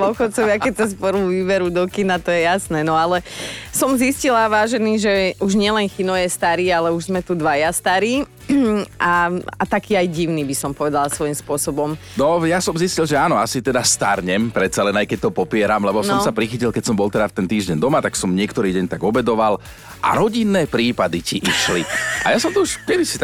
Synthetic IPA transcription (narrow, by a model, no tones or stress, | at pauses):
ɔxɔt͡sɔʋɪakɛc̚tɛspɔɾuʋiːbɛɾud̪ɔkinat̪ɔjɛjasnɛːnɔalɛsɔmziscilaʋaːʒɛniːʒɛuʒɲɪɛlɛnxinɔjɛst̪aɾiːalɛuʒzmɛt̪ud̪ʋajast̪aɾiː | ʔaat̪akiːajɟiʊniːbisɔmpɔʋɛd̪alasʋɔimspʊɔsɔbɔmnɔjasɔmziscilʒɛaːnɔasit̪ɛd̪ast̪aɾɲɛmpɾɛt̪salɛnajkɛc̚t̪ɔpɔpɪɛɾamlɛbɔsɔmsapɾixicilkɛcsɔmbɔlˠt̪ɛd̪aft̪ɛnt̪iːʒɟɛɲd̪ɔmat̪aksɔmɲɪɛkt̪ɔɾiːɟɛɲt̪aɡɔbɛd̪ɔʋal | ʔa̰ɾɔɟinːɛːpɾiːpad̪iciʔiʃliʔajasɔmt̪ɔuʃkɛd̪isi